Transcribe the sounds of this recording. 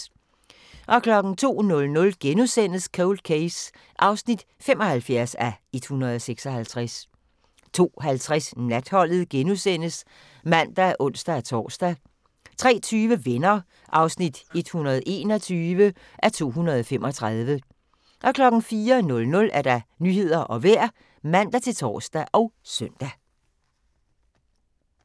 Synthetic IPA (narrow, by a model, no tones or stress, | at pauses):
ʔɒ̽kʰlɒ̽ɡ̥n̩t͡sʰo̝̰ːnɔ̽lnɔ̽lɡ̥enusen̰əskʰɔʊld̥̚kʰeɪs | ʔɑ̈ʊsnid̥ | fem̰ɒ̽hælfjæɐsæe̝d̥hunɐð̞ˠɒ̽seɡ̥sɒ̽hælt͡sʰʁas | t͡sʰo̝̰ːɦælt͡sʰʁasnæd̥hɒ̽l̰ð̩ˠɡ̥enusen̰əs | mæn̰d̥ææɐʔɔ̽n̰sd̥æt͡sʰɒ̰ːsd̥æ | t͡sʰʁɛ̰ːt͡sʰyːʋəʋenɐ | ʔɑ̈ʊsnid̥e̝d̥hunɐðˠe̝ːnɒt͡sʰyːʋə | ʔæɐt͡sʰo̝̰ːɦunɐð̞ˠɒ̽femʔɒ̽t͡sʰʁɑðˠʋə | ʔɒ̽kʰlɒ̽ɡ̥n̩fiːɐnɔ̽lnɔ̽lʔæɐd̥ɑ̈nyːɦe̝ð̞̰ˠɐʔɒ̽ʋeɐ̰ | mæn̰d̥æt͡sʰe̝lt͡sʰɒ̰ːsd̥æʔɒ̽ʊsœn̰d̥æ